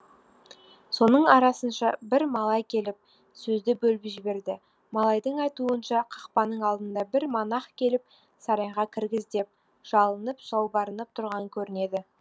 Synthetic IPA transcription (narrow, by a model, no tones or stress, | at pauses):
so̞nəɴɑɾɑsənʃɑbɪɾmɑlˠɑjkʲʰe̞lɪp̚ | sɵzd̪ɪbɵlbɪʒɪbe̞ɾd̪ɪ | mɑlˠɑjd̪əɴɑjt̪uənʃɑqʰɑqpɑnəɴɑlˠd̪ənd̪ɑbɪɾmɑnɑχkʲʰe̞lɪp̚ | sɑɾɑjʁɑkʲʰɪɾɡʲɪzd̪e̞p̚ | ʒ̥ɑlˠənəpʒ̥ɑwbɑɾənəp̚t̪ʰʊɾʁɑŋkʲʰɵɾɪne̞d̪ɪ